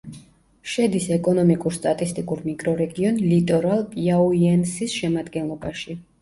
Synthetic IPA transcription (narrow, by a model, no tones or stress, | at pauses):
ʃɛd̪isɛkʼɔnɔmikʼuɾst̪ʼat̪ʼist̪ʼikʼuɾmikʼɾɔɾɛɡiɔnlit̪ʼɔɾalˠpʼiauiɛnsisʃɛmad̪ɡɛnlˠɔbaʃi